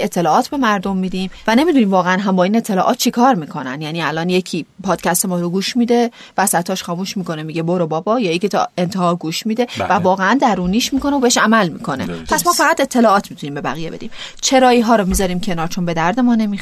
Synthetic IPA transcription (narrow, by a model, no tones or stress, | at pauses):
e̞t̪ʰːe̞lɒːɒːt̪ʰbe̞mæɾd̪o̞mːiːd̪iːmvæne̞miːd̪uniːmvɒːɣeænɦæmbɒːiːne̞t̪ʰːelɒ̰ːʔɒːt̪̚t͡ʃʰekʰɒːɾmiːkʰo̞næ̰njæːniːælɒːnje̞cʰiːpʰɒːd̪̥cʰæst̪e̞mɒːɾoɡuːʃmiːd̪e̞ | væsæt̪ʰɒːʃxɒːmuːʃmiːko̞nemiɟeboɾobɒːbɒːjɒːjecʰit̪ʰɒ̰e̞nt̪ʰehɒːɡuːʃmiːd̪e̞vævɒːɣeænd̪æɾuːniːʃmiːko̞neobeeʃæmælmḭːkʰo̞nḛpʰæsmɒːfæɣæt̪e̞t̪ʰːe̞lɒːɒːt̪ʰmit̪uniːmbe̞bæ̰ɣije̞be̞d̪iːmt͡ʃʰe̞ɾɒːiɦɒːɾɔmizɒːɾiːmcʰe̞nɒːɾt͡ʃʰo̞nbe̞d̪æɾd̪e̞mɒːne̞mi